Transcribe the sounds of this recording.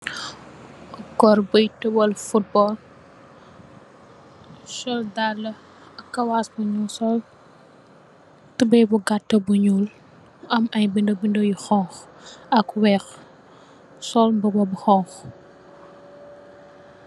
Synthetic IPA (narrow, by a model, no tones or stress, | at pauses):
kɔɾbəjtubɔlfut̚bɔl | ʃɔldalːɐ | ɐkːɐwasbuɲulsɔl | tubɛjbuɡatːɐbuɲuːl | ɐmɐjbindobindojixɔŋx | ɐkwɛːx | sɔlmbɐbɐbuxɔŋx